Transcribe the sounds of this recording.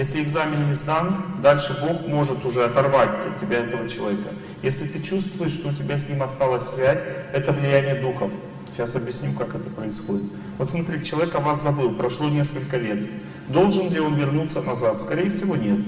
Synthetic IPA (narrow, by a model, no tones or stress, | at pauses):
jesʲlʲɪɪɡzamʲɪnmʲɪzd̪and̪alʲʂɨbo̞xmo̞ʐɨt̪ʊʐɛɐt̪ɐrvatʲɐt̪̚tʲːɪbʲaɛt̪əvət͡ɕɪlˠɐvʲekə | jesʲlʲɪt̪ɨt͡ɕust̪vʊjɪʂt̪o̞ʊtʲɪbʲasʲnʲimɐst̪alˠəsʲsvʲæzʲɛt̪əvlʲɪjænʲɪjəd̪uxəf | ɕasɐbʲjɪsʲnʲukakɛt̪ə̥pɾəɪsxodʲɪt̪ | vot̪smɐt̪ɾʲitʲɪt͡ɕɪlˠɐvʲekɐvaszɐbɨlˠpɾɐʂlˠo̞nʲe̞skəlʲkəlʲe̞t̪ | d̪o̞lˠʐɨndʲeʊvʲɪrnut̪sənɐzat̪skɐɾʲejəfsʲɪvo̞nʲe̞t̪